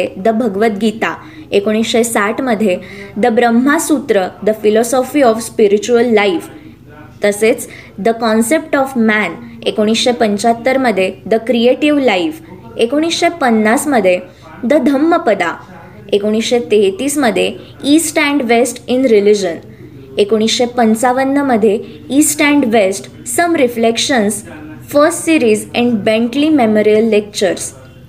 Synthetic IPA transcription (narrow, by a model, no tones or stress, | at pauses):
ed̪əbʱəɡʋət̪̚ɡit̪a̰ | ekoɽ̃isɕesaʈʰməd̪ʱːjed̪əbɾəmːasut̪ɾəd̪əfilɔsɔfiːɔfspiɾit͡ɕuəlːaif | t̪əset͡s | d̪əkɔnsep̚ʈɔfmænekoɽ̃isɕepəɲt͡ɕat̪ːəɾməd̪ʱːjed̪əkɾieʈiʋlaif | ekoɽ̃isɕepənːasməd̪ʱːje | d̪əd̪ʱəmːəpəd̪a | ekoɽ̃isɕet̪eɦt̪iːsməd̪ʱːje | isʈɛ̃ɳɖʋesʈinɾilid͡ʑən | ekoɽ̃isɕepənt͡saʋənːəməd̪ʱːje | iːsʈɛ̃ɳɖʋesʈː | əmɾiflekɕənsfəɾsʈsiɾiːzɛ̃ɳɖbẽɳʈlimemoɾijəlːek̚t͡ɕəɾs